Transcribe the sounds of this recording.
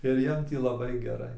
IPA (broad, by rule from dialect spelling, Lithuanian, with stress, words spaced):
ɪr ˈjiɛm tʲiː lˠɐˈbɐɪ ɡʲɛˈrɐɪ